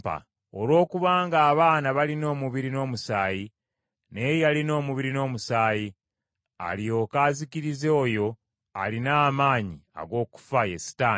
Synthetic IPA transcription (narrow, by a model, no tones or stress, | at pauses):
a̰ | olwo̞ːkuβaːŋɡaːβaːnaβalino̞ːmuβiɾino̞ːmusaːji | ne̞jjalino̞ːmuβiɾino̞ːmusaːji | a̰lio̞kaːziciɾizeːjo̞ | a̰linaːmaːɲia̰ɡo̞ːku̥fajesi̥taː